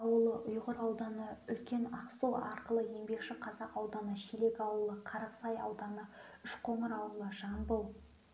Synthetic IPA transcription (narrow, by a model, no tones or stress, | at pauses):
ɑwəlˠəʔʊjʁəɾɑwd̪ɑnəʏlkʲe̞nɑqsoɑɾqəlˠəje̞ŋbe̞kʃɪqʰɑzɑqɑwd̪ɑnəʃele̞kʲɑwəlˠəqʰɑɾɑsɑjɑ̰wd̪ɑnəʏʃqʰo̞ɴəɾɑwəlˠəʒɑnbolˠ